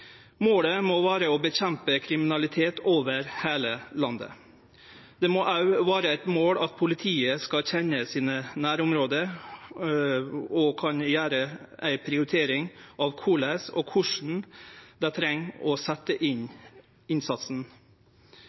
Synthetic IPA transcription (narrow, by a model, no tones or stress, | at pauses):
moːɽəmoːʋæːɾəoːbəçɛmpəkʰɾɪmɪnɑlɪt̪ʰeːt̪ʰoːʋəɾheːləlɑnd̪ə̰ | d̪̥ɛmoʔɑʉʋæːɾəæɪt̪moːɽɑt̪̚pʰʊlɪt̪ʰiːəskɑçɛnəsiːnənæːɾʊmɾoːd̪əɾ | ɔkʰɑnjæːɾəæɪpʰɾɪʊɾɪt̪ʰeːɾɪŋʔɑʋkʰuːlæsɔ̰ːkʰʊʂɳ̩d̪ɛt̪ʰɾɛŋːɔsæt̪ːəʔɪɲ | ɪnsɑt̪sn̩